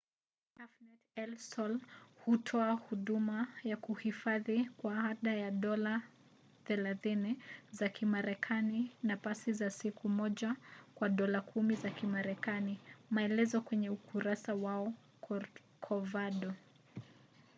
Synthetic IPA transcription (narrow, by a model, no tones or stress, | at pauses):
afnɛtɛlsɔlhutʰɔahuɗumajakuhifaðikwaaɗajaɗɔla | θɛlaθinizakʰimaɾɛkʰaninapasizasikʰumɔʄakwaɗɔlakʰumizakimaɾɛkanimaɛlɛzɔkwɛɲɛukuɾasawaɔ | kʰɔvaɗɔ